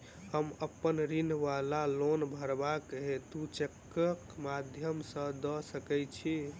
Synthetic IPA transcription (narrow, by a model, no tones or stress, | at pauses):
həməpːənɾinʋalalonbʱəɾbakɦet̪ut͡ʃekː | əkmad̪ʱjəmsə̃d̪ɔsəkɛt͡ʃʰi